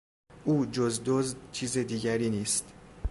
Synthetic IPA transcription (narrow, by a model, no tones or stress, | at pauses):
ʔuːd͡ʒozd̪ozt͡ʃʰiːzed̪iːɟæɾiːniːst̪